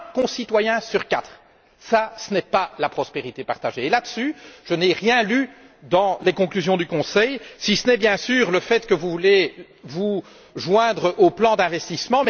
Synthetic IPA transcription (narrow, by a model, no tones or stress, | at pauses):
kɔ̃sit̪wajɛ̃syʁkat̪χ | sasənɛpalapχɔspeʁit̪epaʁt̪aʒeːlad̪əsyʒ̥əneʁjɛ̃ly | d̪ɑ̃lekɔ̃klyzjɔ̃d̪ykɔ̃sɛjsisənɛbjɛ̃syːʁləfɛt̪kəvuvule | vu | ʒwɛ̃d̪ʁəʔoplɑ̃d̪ɛ̃vɛst̪ismɑ̃m